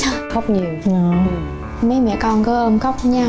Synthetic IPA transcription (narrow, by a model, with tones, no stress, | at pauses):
a˧xə˦˥wk͡p̚ɲi˨˩əwa˨˧˦ | mə˨˦jmɛ̰˧˨kɔ˧˩nkə˨˦ʔə˧mxə˦˥wk͡p̚ɲaː˧